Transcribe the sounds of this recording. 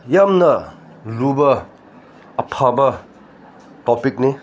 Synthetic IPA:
jamnɐ | lubɐː | pʰabɐ | tɔpik̚ni

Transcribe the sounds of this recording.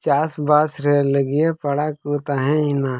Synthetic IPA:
t͡ʃaːsbaːsɾɛləɡijepɐɽakut̪aɦɛ̃ina

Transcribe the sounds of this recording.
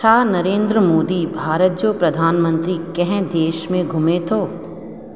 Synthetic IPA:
t͡ʃʰaːnɐɾẽːnd̪ɾəmoːd̪ibʱaːɾət̪̚d͡ʒopɾɐd̪ʱaːnmə̃nt̪ɾikɛɦɛ̃d̪eːʃmẽɡʱʊmet̪ʰoː

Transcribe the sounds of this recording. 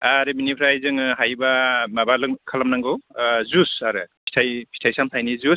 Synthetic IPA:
aɾɯbinipʰɾajzɯŋɦajbamabalɯŋkʰalamnaŋɡɯwzusaɾɯpʰi̥tʰajpʰi̥tʰajsamtʰajnizus

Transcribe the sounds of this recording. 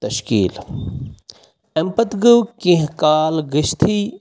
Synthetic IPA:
t̪ɐʃkḭːl | empɐt̪ɡəwkĩɦkaːlɡiʃt̪ʰi

